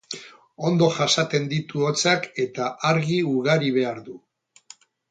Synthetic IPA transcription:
o̞nd̪o̞ʝasat̪e̞nd̪it̪uot͡sake̞t̪aʔaɾɣiuɣaɾiβ̞e̞aɾðu

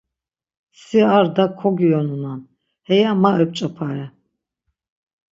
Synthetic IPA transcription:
siaɾd̪akʰɔɡijɔnunan | hɛjamaʔɛp̚t͡ʃʼapʰaɾɛ

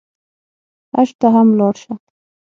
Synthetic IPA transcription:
a̰ʃt̪aɦamlɑɽʃa

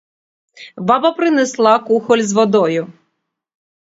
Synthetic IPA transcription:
bɑbɐpɾɪneslˠɑkuxɔlʲzʋɔd̪ɔjʊ

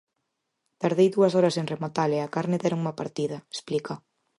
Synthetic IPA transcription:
t̪aɾðejðuɐsɔɾɐseŋremot̪aleakaɾnɪðɛɾoŋumɐpaɾt̪ið̞ɐespliko

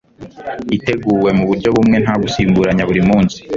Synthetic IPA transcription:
ite̞ɡuːwe̞muβuɾɟo̞βumŋe̞n̥haɡusiːmbuɾaɲaβuɾimuːnsi̥

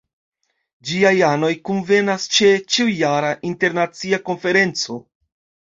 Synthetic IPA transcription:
d͡ʒiajano̞jkunve̞nast͡ʃe̞t͡ʃiujaɾaʔinte̞ɾnat͡siako̞nfe̞ɾe̞nt͡so̞

